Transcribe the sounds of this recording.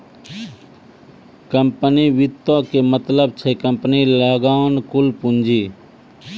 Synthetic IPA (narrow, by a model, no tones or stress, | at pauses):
kəmpəniʋit̪õkemət̪ləbt͡ʃʰekəmpniləɡaːnkulpund͡ʒi